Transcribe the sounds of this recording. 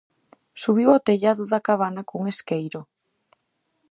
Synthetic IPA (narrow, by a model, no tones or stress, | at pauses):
suβ̞iwot̪eʎaðʊðakaβanakoŋeskejɾʊ